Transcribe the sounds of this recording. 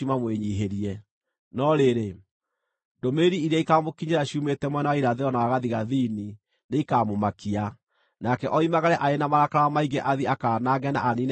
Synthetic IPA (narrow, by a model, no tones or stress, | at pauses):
umamweɲiːɦeɾiɛ | nɔɾeɾe | domeɾiiɾiaikamokiɲeɾaɕiumetɛmwɛnawaiɾaðeɔnawaɣaðiɣaðini | neikaːmomakia | nakɛʔɔimaɣaɾɛʔaenamaɾakaɾawamaiɡɛʔaðiakaːnaɣɛna̰ʔanin